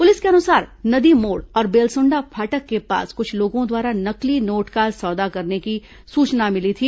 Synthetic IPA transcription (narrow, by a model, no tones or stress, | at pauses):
pʊlɪskeɐnʊsaːɾnɐd̪imoːɽɔːɾbeːlsʊ̃ɳɖapʰaːʈəkːepa̰ːskʊt͡ʃʰloːɡõd̪waːɾanɐklinoːʈkaːlsɔːd̪akɐɾneki | suːt͡ʃnamɪlit̪ʰiː